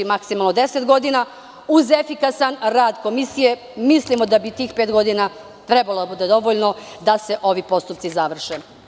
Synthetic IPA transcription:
imaksimalˠnod̪e̞set̪ɡo̞d̪ina | uze̞fikasanɾaːd̪ko̞misije̞ | mislimo̞d̪abit̪iːxpeːt̪ɡo̞d̪ina | t̪ɾebalo̞d̪abuːd̪e̞d̪o̞ʋoʎno̞d̪ase̞ʔo̞ʋipo̞st̪up̪̚sizaʋr̩ʃe

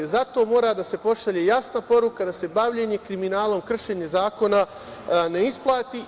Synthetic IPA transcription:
zat̪o̞ːmo̞ːɾad̪ase̞po̞ʃaʎe̞jasnapo̞ɾukad̪ase̞baʋʎe̞ɲe̞kɾiminaːlˠo̞mkr̩ʃe̞ːɲe̞zaːko̞na | ne̞isplˠaːt̪i

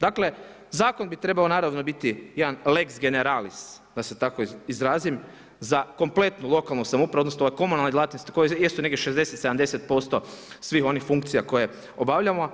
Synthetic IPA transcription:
d̪akle̞ | zaːko̞nbit̪ɾe̞baonaːɾaʋnobit̪ijed̪anleksɡe̞neɾalis | d̪ase̞t̪akoizɾaːzim | zako̞mple̞t̪nulˠo̞kalˠnusamupɾaonosnoajko̞munalnid̪lˠat̪nost̪i̥kojejesuneɡdʲjeʃe̞zd̪e̞set̪sed̪amd̪eset̪̚po̞st̪o̞sʋiːxo̞nixfuŋkt̪sijako̞je | o̞baʋʎamo

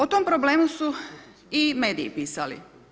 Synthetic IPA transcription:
ot̪ompɾoble̞ːmusu | ime̞ːd̪ḭːpiːsalḭ

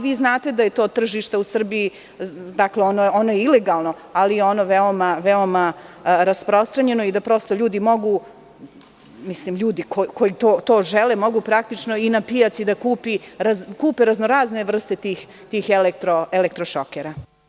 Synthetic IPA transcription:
ʋiːznaːt̪e̞d̪aje̞t̪oːt̪r̩ʒiːʃt̪ausr̩bii | d̪akleonoonojeile̞ɡalˠno̞ | alijeo̞noʋeomaʋeo̞maɾaspɾost̪ɾaɲe̞no̞id̪apɾo̞st̪oʎuːd̪imo̞ɡu | misliːmʎuːd̪ikoko̞jit̪oːt̪o̞ːʒelemo̞ɡupɾak̚t̪it͡ʃno̞inapijat̪sid̪akuːpiɾazkuːpeɾaznoɾaːzne̞ʋr̩st̪e̞t̪iːx | t̪iːxelek̚t̪ɾoelekt̪ɾoʃokeɾa

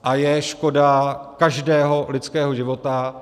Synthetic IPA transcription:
ʔajɛʃko̞dakaʒdɛːɦo̞lɪt͡skɛːɦoʒɪvo̞t̪a

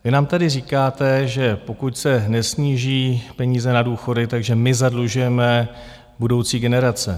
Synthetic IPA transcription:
vɪnaːmt̪adɪriːkaːt̪ɛʒɛpo̞kucsɛnɛsɲiːʒiːpɛɲiːzɛnaduːxo̞dɪt̪aɡʒɛmɪzadluʒujɛmɛ | budo̞wt͡siːɡɛnɛɾat͡sɛ̰

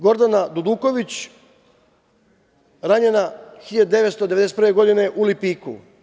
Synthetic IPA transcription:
ɡo̞ɾd̪anad̪ud̪uːko̞ʋit͡ɕ | ɾaɲenaxiʎad̪ud̪eʋet̪st̪od̪e̞ed̪est̪pɾʋeɡo̞d̪ine̞ʔulipiːkṵ

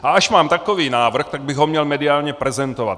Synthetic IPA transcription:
ʔaaʃmaːmt̪akoviːnaːvr̩xt̪aɡ̚bɪɣɦomɲɛlmɛdɪaːlɲɛpɾɛzɛnt̪ova̰t̪

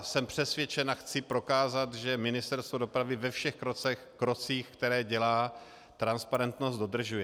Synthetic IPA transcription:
sɛmpr̥ɛsvjɛt͡ʃɛnaxt͡sɪpɾo̞kaːzat̪ʒɛmɪnɪst̪ɛɾst̪vodo̞pɾavɪvɛfʃɛxkɾot͡sɛ | kɾot͡siːxkt̪ɛɾɛːɟɛlaː | t̪ɾanspaɾɛnt̪nost̪do̞d̪r̩ʒujɛ

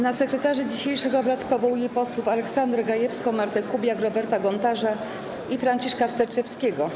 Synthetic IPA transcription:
nasɛkɾɛt̪aʐɘd͡ʑiɕejʂɛɡɔbɾat̪pɔvɔujɛpɔswufalɛksand̪ɾɛɡajɛfskɔmaɾt̪ɛkubʲjakɾɔbɛɾt̪aɡɔnt̪aʐa | ifɾaɲt͡ɕiʂkast̪ɛɾt͡ʂɛfskʲeɡɔ

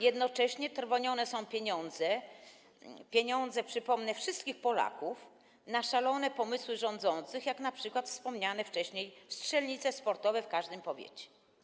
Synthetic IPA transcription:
jɛd̪nɔt͡ʂɛɕɲɛt̪ɾvɔɲɔnɛsɔ̃w̃pʲjeɲɔnd̪zɛ | pʲjeɲɔnd̪zɛpʂɘpɔmnɛfʂɘst̪̚kʲixpɔla̰kuf | naʂalɔnɛpɔmɘswɘʐɔ̃nd̪zɔnt̪sɘxjaknapʂɘkwat̪fspɔmɲanɛft͡ʂɛɕɲejstʂɛlɲit̪sɛspɔɾt̪ɔvɛfkaʐd̪ɘmpɔvʲjḛt͡ɕɛ̥

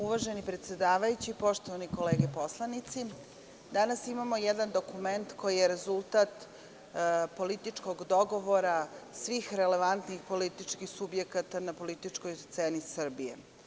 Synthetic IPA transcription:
uʋaʒe̞nipɾet̪sje̞d̪aːʋajut͡ɕipo̞ʃt̪o̞ʋaniko̞leːɡepo̞slˠanit̪si | d̪anasimamojed̪and̪o̞kume̞nt̪ko̞jijeɾe̞zulˠt̪at̪ | po̞lit̪it͡ʂko̞ɡd̪o̞ɡo̞ʋo̞ɾasʋixɾe̞le̞ʋant̪nixpo̞lit̪it͡ʃkixsubje̞kat̪anapo̞lit̪it͡ʂkojst̪seːnisr̩bijḛ

